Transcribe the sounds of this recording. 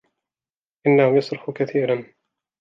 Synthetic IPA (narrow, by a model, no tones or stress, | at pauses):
ʔɪnːahʊjɑsˤɾʊħkaθiːɾan